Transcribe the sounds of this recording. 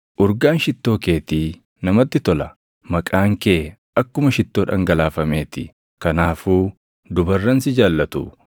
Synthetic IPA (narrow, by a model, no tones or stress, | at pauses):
ʔʊɾɡaːnʃɪt̪ːo̞ːke̞ːt̪iː | nɐmɐt̪ːɪt̪ɔlɐ | mɐkʼaːŋke̞ː | ɐkːʊmɐʃɪt̪ːoːᶑɐ̰ŋɡɐlaːfɐme̞ːt̪ɪ̰ | kɐnaːfuː | d̪ʊbɐrːɐnsɪd͡ʒaːlːɐt̪ṵ